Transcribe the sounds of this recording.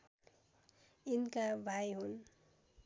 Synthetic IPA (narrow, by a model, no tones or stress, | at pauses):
inkabʱajɦun